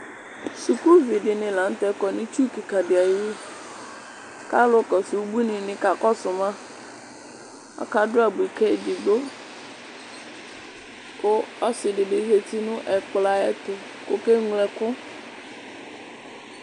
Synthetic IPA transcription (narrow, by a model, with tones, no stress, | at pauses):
su˨ku˦vi˨ɖɪ˨nɪ̃˨lã˨˦n˦t̪ɛ˦kɔ˨nɪ̃˦t͡ʃu˦ki˨ka˨dɪ˨a˨jɪ˦ | ka˦lʊ˦kɔ˨su˨˦bu˦nɪ̃˨nɪ̃˨ka˨kɔ˦sʊ˨mã˦ | ɔ̰˦ka˨dʊ˦a˨bi˨kɛ˦˨dɪ˨ɡ͡bo˦ | kʊ˦ɔ˦sɪ˨ɖɪ˨ɖɪ˨ɣe˨t̪i˦nʊ̃˦ʔɛ˨k͡pla˨ɛ̰˦t̪ʊ˨ | kʊ˦ke˦ŋlɛ˨kʊ˦